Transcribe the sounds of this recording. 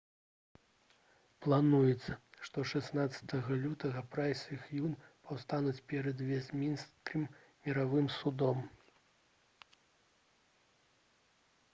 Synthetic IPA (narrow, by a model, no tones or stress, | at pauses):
plˠanujɛt̪sɐʂt̪ɔʂɛsnat̪sɐ̥t̪ɐɣɐlʲut̪ɐɣɐpɾajsʲɨxjunpawst̪anut͡sʲpʲɛɾɐd̪vʲɛzʲmʲinskɨmːʲ | ɛɾavɨmsud̪ɔm